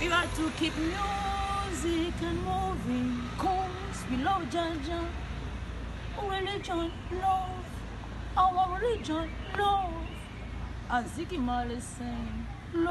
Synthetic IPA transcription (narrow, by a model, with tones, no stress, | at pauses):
wia˨tu˨ki˦pmjuzikãnmu˦vĩ˨ŋkʰu˦m | sbi˨lo˦d͡ʒa˦d͡ʒã | ɹi˨li˦d͡ʒɔ̃n | lɔ˦v | awa˨ɹi˨li˦d͡ʒɔ̃˨nlɔv | a˨zi˦ki˨ma˦le˨sẽn | l